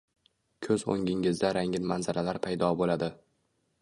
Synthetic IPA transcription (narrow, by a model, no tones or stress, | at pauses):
kʲʰɵzo̰ŋʲɪŋɪzd̪aɾaŋʲɪnmanzalalaɾpʰajd̪ɒbolad̪ɪ